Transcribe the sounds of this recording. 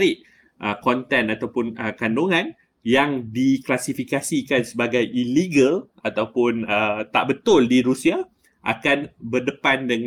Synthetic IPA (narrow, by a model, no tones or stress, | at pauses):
ɾɪʔ | ʔəkɔnt̪ɛnat̪awpʊnəkandoŋãn | jaŋdiklasifikasikansəbaɡajʔiliɡəl | at̪awpʊnət̪a̰ʔbət̪ʊldiɾusia | ʔa̰kanbərdəpandəŋ